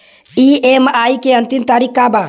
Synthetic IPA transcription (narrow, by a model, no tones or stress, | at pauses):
ʔiːʔeːmɐʔaːikeɐnt̪int̪aːɾikːaːbaː